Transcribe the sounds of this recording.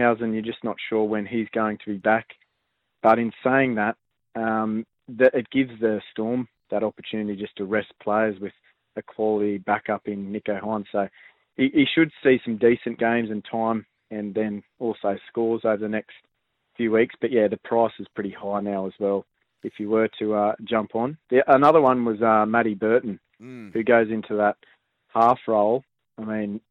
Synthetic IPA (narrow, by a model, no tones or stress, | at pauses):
aʊzɨ̃njə˞d͡ʒʌsnətʃʊɹwɨ̃nizɡoʊɪ̃ŋtʰəbibæk | b̥ʌɾɨ̃nseɪɪ̃ŋðət̪̚ | ʌ̃m | ðɨʔɨt̚ɡ̥ɪvzðɨstɔɹm | ðəɾɑpə˞tʰʉnɨɾid͡ʒʌstʰɨɹɛspʰl̥eɪə˞zwɨð̥ | ɨkʰw̥ɑlˠəɾibækʌpɨ̃nːɪkoʊɦɑ̃n̥soʊ | hiʔiʃɨd̥sisʌ̃m̩disɨ̃nɡ̥ẽɪ̃mzɨ̃ntʰãɪ̃m | ɨ̃nðɨ̃nɔlˠsoʊskɔɹˠzoʊvə˞ðɨnɛkst | fjʉwiksb̥ʌʔ̚jæðɨpʰɹ̥aɪsɨz̥pʰɹ̥ɪɾihaɪnaʊəzwɛlˠ | ɨfjɨwə˞ɾɨʌd͡ʒʌ̃mpn̩ðiʔənʌðə˞wʌ̃nwʌzʌmæɾibɜ˞ʔn̩ | hʉɡoʊzɪ̃ntʰʉðət̚ | hɑfɹoʊlˠ | aɪmĩn